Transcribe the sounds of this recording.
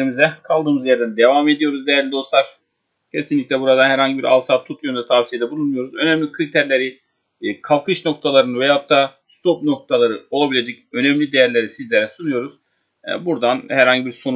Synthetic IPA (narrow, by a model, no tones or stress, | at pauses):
ɾimizɛkʰalˠd̪ɯːmɯzjæɾd̪ænd̪e̞vaːme̞d̪ijo̞ɾuzd̪ejæɾlʲid̪o̞slˠaɾ̥ | cʰe̞sinlʲic̪ʲlʲɛbuɾad̪anhɛɾhaɲɟibiɾa̰lˠsaːt̪ʰːut̪ʰjond̪at̪ʰavsijed̪ɛbulˠunmujo̞ɾuzø̞næmlʲikʰɯɾit̪ʰæɾlʲe̞ɾi | kʰalˠkʰɯʃno̞kt̪ʰalˠaɾɯnɯvɛjaap̚t̪ʰːa | st̪ʰop̚no̞k̚t̪ʰalˠaɾɯo̞lˠabilʲed͡ʒɛcø̞nɛmlʲid̪e̞jæɾlʲe̞ɾisizlʲeɾɛsunujo̞ɾuz̥̰ | buɾd̪anhæɾhaɲɟibiɾso̞n